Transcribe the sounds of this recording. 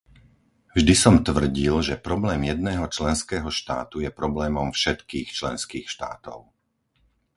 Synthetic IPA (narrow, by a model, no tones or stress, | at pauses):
vʒd̪isɔmt̪ʋr̩ɟilʒɛpɾɔblɛːmjɛd̪̚nɛːɦɔt͡ʃlɛnskɛːɦɔʃt̪a̰ːt̪ujɛpɾɔblɛːmɔmfʃɛt̪kiːxt͡ʃlɛ̰nskiːxʃt̪a̰ːt̪ɔ̰ʊ